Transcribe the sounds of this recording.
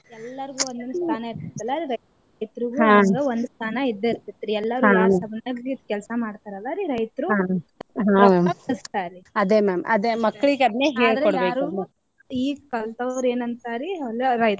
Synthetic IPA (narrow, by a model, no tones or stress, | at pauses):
ɛlːɐɾiɡuːond̪ɐnust̪ʰaːnɐiɾt̪it̪ːɐlːaːɾiɾɐj | ɐjt̪ɾuɡuãɐɡ̪eond̪ust̪ʰaːnɐid̪ːeiɾt̪it̪ːɾiɛlːɐɾuanasɐbnaɡikɛlsɐmaːɖt̪aːɾɐlːaːɾiɾɐjt̪ɾuaɦaɐɐst̪aːɾiɐd̪eːmeːmɐd̪emɐkːɭiɡeɐd̪neːɦeːɭɐɾkoɽabeːɾuumɐ | iːɡkɐlt̪ɐʋɾe̞ːnɐnt̪aːɾiɐlɾɐjt̪